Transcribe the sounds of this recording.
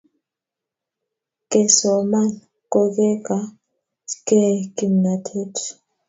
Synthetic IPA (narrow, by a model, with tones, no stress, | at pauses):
kʼɛ˨sɔ˨ma˦n | kʼo˦˨kʼɛ˦kʼa˦ | kɛ˦ki˨mna˨tʰe˦tʰ